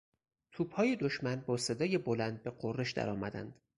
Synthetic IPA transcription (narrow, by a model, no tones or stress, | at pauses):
t̪ʰuːb̥hɒːjed̪oʃmænbɒːse̞d̪ɒːjebolænd̪̚beɢorːeʃd̪æ̰ɾɒːmæd̪æ̰nd̪̥